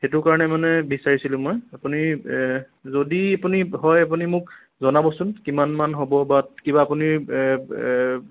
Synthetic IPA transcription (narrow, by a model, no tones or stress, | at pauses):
xɛtʊkaɹɔnɛmanɛbisaɹisilʊ̃mɔjapuni | zodiapuniɦɔjap̬unimʊk | zɔnabɔsunkimanmanɦobɔbakibaːpuniɹ